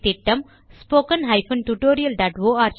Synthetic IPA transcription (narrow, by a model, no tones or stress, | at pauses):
t̪iʈːɐ̃m | spoːkə̃nɦɐɪfɐ̃nʈuʈoːɾijɐlɖaʈʋoːaːɾt͡ʃ